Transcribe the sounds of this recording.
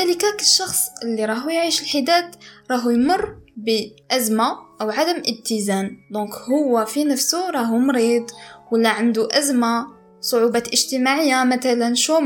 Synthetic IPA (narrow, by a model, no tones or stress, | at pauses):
æləkækəlʃːɑxsˤʔəlːiɾˤɑɦujʕiʃəlħid̪æt̪ɾˤɑɦujmʊrˤːbəʔæzmaʔəwʕad̪əmʔəb̚t̪əzænd̪ɔ̃khʊwːæfinəfsuɾˤɑɦumɾid̪ˤwəlːæʕand̪uʔæzma | sˤoʕubat̪ʔəʒt̪əmaʕəjːamæt̪ælənʃum